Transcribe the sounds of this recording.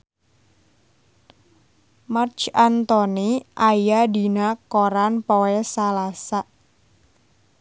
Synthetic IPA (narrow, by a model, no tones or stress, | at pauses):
mart͡ʃant̪oniʔajadinakoɾanpowɛsalasaʔ